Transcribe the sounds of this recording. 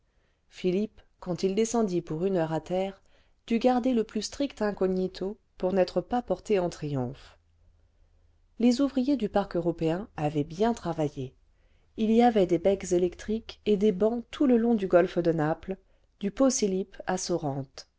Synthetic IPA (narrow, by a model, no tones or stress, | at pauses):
filip | kɑ̃t̪ild̪esɑ̃d̪ipuʁynœʁat̪ɛːʁ | d̪̥yɡaʁd̪eləplyst̪χikt̪ɛ̃kɔɲit̪ʰo | puʁnɛt̪χəpapɔʁt̪eɑ̃t̪χijɔ̃f | lezuvʁijed̪ypaʁkøʁɔpeɛ̃avɛbjɛ̃t̪χavaje | iliavɛd̪ebɛkzelɛkt̪χiked̪ebɑ̃t̪ʰuləlɔ̃d̪yɡɔlfd̪ənapl | d̪̥yposilipasɔʁɑ̃t̪